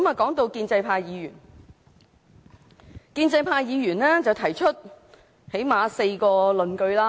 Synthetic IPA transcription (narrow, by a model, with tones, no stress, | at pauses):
maː˨˩kɔː˨˥ŋt̪o˧wkiː˧nt͡sɐ˧jpʰaː˧jjiː˨˧ɥyː˨˩n | kiː˧nt͡sɐ˧jpʰaː˧jjiː˨˧jyː˨˩nlɛː˥t͡sɐ˨wt̪ʰɐ˨˩jt͡ʃʰɵ˥t̚ | he˨˥jmaː˨˧se˧jkɔː˧lɵ˨nkɵ˧ɥlaː˥